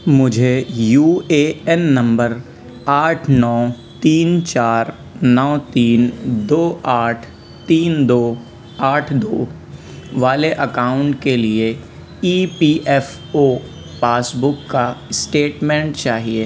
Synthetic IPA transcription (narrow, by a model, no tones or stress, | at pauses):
mʊd͡ʒʱejuːeːɛnːɐ̃mbəɾ | aːʈʰnɔː | t̪iːnt͡ʃaːɾ | nɔːt̪iːnd̪oːaːʈʰ | t̪iːnd̪oː | aːʈʰd̪oː | ʋaːleʔɐkaːʊ̃ɳʈkelie | iːpiːʔɛf | oː | paːsbʊkːasʈeːʈmɛ̃ɳʈt͡ʃaːɦie